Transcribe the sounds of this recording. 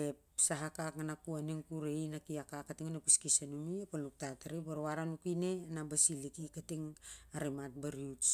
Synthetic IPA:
epsaɦakakanakuaniŋkuɾeinakiakakːatiŋanepiskisanumiepalnuk̚tataɾibaɾoaɾanukine̞nabasilikikatiŋaɾemat̚baɾiuts

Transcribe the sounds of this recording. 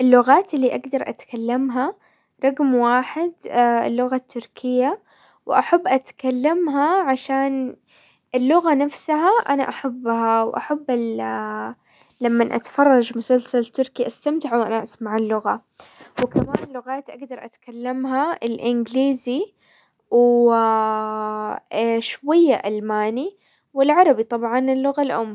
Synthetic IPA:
ʔɪlːʊɣaːt̪ɪlːiʔaɡd̪ɑɾˤʔa̰t̪kalːamɦa | ɾˤɑɣmwaːħɪd̪ɪlːʊɣat̪ʰːʊɾkʰɪjːa | wʔaħabːʔat̪kalːamɦaʕaʃaːn | ʔɪlːʊɣanafsaɦaʔanaʔaħabːhawʔa̰ħabːɪl | lamːanʔa̰t̪ḁfɑrˤːɑʒmʊsalsalt̪ʊɾkiʔast̪amt̪ɪʕuwʔanaʔasmaʕɪlːʊɣa | wkamaːnlʊɣaːt̪ʔaɡd̪ɑɾˤʔat̪kalːamɦaɪlʔɪnɡliːzi | w | ʃwajːaʔalmaːni | wɪlʕɑɾˤɑbit̪ˤɑbʕɑnɪlːʊɣalʔʊmːa

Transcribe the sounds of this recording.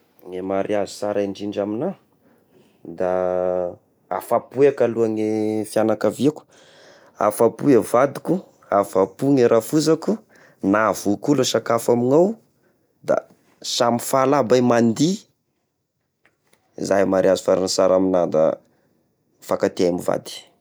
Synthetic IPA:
ŋemaɾiazu̥saɾiɳd͡ʒiɳɖ͡ʐamina | d̪a | a̰fapuekaluaŋefjanakaviaku̥ | a̰fapuevad̪iku | afapuŋeɾʔafuzaku | navukuluʃakafamiŋaw | d̪a̰ | samifalabajmand̪i | zajmaɾiazifaɾansaɾaminad̪a̰ | fakat̪eamiva̰d̪i̥

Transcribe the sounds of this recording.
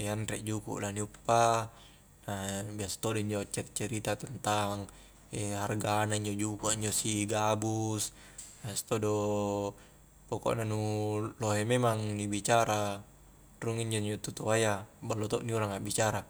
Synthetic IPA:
anɾɛʔd͡ʒukṵʔlaniupːa | nabiast̪odoiɲd͡ʒɔt͡ʃɛrt͡ʃɛɾit̪at̪ɛnt̪aŋ | ɛɦarɡanaiɲd͡ʒɔd͡ʒukuiɲd͡ʒɔsiɡabus | biast̪ɔdo | pɔkɔ̰ʔnanuloɦememaŋnibit͡ʃaɾa | ruŋiɲd͡ʒɔiɲd͡ʒɔt̪ut̪oajabalːot̪ɔʔniuɾaŋaʔbit͡ʃaɾa

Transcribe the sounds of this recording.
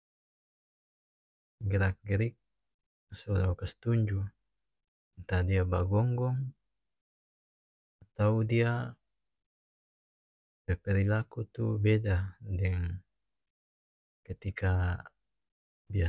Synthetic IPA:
ɡɛɾak̚ɡɛɾik̚ | sɔlawkast̪uɲd͡ʒu | nt̪adiabaɡɔŋɡɔŋ | at̪audia | pɛpɛɾilakut̪ubɛdadɛŋ | kət̪ika | bia

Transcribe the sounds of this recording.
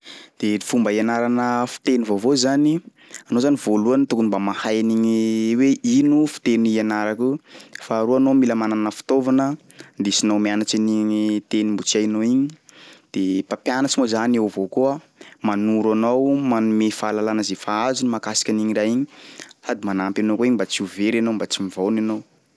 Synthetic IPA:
d̪̥eifumbəianaɾanəfi̥t̪enivovozani | anozanivoluanit̪ukunibamahajaniɲiweʔinufi̥t̪enianaɾakufaːɾuanomiləmanananəfi̥t̪ovanə | nd̪esinomianat͡ʃiniɲit̪enimbut͡siajnoiɲid̪̥epapjanat͡ʃimozanewvokuə | manuɾanowmanumefaːlalanəzefaazunimakasi̥kʲaniɲiɾajiɲisad̪imanampanokoiɲimbat͡siuveɾanombat͡simivownanow

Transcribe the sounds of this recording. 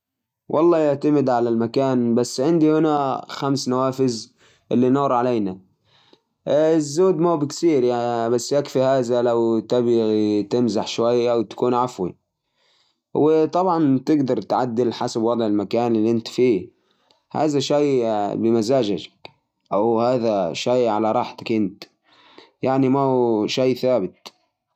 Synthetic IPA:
wʔɑ̰lˤːɑːjɪʕt̪amɪd̪ʕalalmakaːnbasːʕɪnd̪ihɪnaxamsnawaːfɪz | ʔɪlːinuːɾʕalejna | ɪzːoːd̪mobɪktiːɾjabasːjakfihaːðalawt̪abt̪ɪmzaħʃwajːʔawt̪ḁkuːnʕafwḭ | wɪt̪ˤɑbʕɑnt̪ɪɡd̪ɑɾˤt̪ʕad̪ːɪlħasabwɑd̪ˤʕɪlmakaːnɪlːiʔɪnt̪fiː | ha̰ːðaʃajbɪmazaːʒad͡ʒak | ʔawhaːðaʃaːʕalaɾˤɑːħt̪ḁkʔɪnt̪ | jaʕnimaʃaːθaːbɪt̪̚

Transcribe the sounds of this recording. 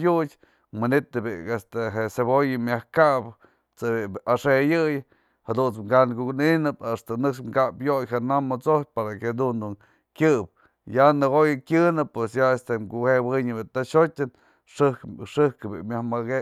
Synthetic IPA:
jut͡ʃ | mɨnit̪ɨbiest̪eɦesebojɨmjahkaʔp | t͡sɨbiaʂejɨj | had̪unt͡smɡankukninɨpast̪anɨkʂmkapjojhenamːot͡sopaɾaked̪und̪un | kʲɨp̚ | janɨɣojɨkʲɨnɨpːwesjaest̪emkuhewiɲɨbit̪aʃotʲɨn | ʂɨhkʂɨhkɨbḭmʲjahmaɡe

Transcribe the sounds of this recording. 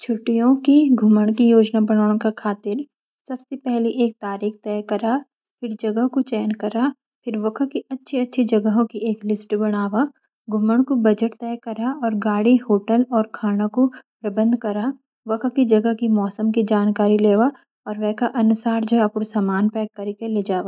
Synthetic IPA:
t͡ʃʰʊʈːijõkiɡʱʊməɽ̃kijoːd͡ʒnabɐɽ̃aːɽ̃kakʰaːt̪ɪɾ | sɐbsepɛɦliʔeːk̚t̪aːɾiːxt̪ɛːkɐɾa | pʰɪɾd͡ʒɐɡəɦkot͡ʃɛːnkɐɾa | pʰɪɾʋɐkʰəkiɐtːʃʰiɐtːʃʰid͡ʒɐɡəɦõkieːklɪsʈbɐɽ̃aːʋa | ɡʱʊməɽ̃kobɐd͡ʒəʈt̪ɛːkɐɾaɔːɾɡaːɽiɦoːʈəlɔːɾkʰaːñakopɾɐbə̃nd̪ʱkɐɾa | ʋɐkʰəkid͡ʒɐɡəkimɔːsəmkid͡ʒaːnkaːɾileːʋa | ɔːɾʋɛːkaʔɐnʊsaːɾd͡ʒoɐpʊɽsaːmaːnpɛːkːɐɾikeled͡ʒaːʋaː

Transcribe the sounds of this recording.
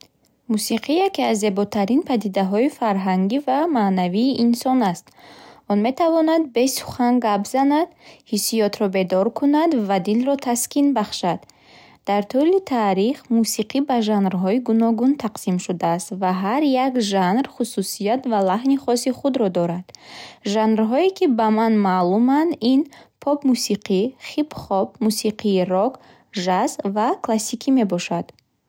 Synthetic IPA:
musiqʰijakeazːe̞bɔt̪ʰaɾinpʰad̪id̪aɦɔifaɾɦaŋɡivamaːnaviːʔinsɔnast̪ɔnme̞t̪ʰavɔnad̪̚be̞su̥χaŋɡabzanad̪hisijɔt̪ʰɾɔbe̞d̪ɔɾkʰunad̪vad̪ilɾɔt̪ʰaskinbaχʃad̪ | d̪̥aɾt̪ʰulit̪ʰaɾiχmusiqʰibaʒanɾɦɔiɡunɔɡunt̪ʰaqsimʃud̪aːst̪vaɦaɾjakʒanrχususijat̪valaɦniχɔsiχud̪ɾɔd̪ɔɾad̪̥ʒanɾɦɔikʰibamanmaːlumand̪inpʰɔbmusiqiχibχɔbmusiqiːɾɔk | ʒazvakʰlasikʰime̞bɔʃad̪̥

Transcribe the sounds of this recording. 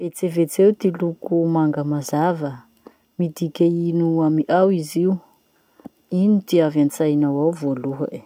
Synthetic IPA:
et͡sevet͡sewt̪ilukumaŋɡəmazavə | mid̪ikʲainuamiʔawiziu | init̪iavant͡sajnawawvoluɦə̰

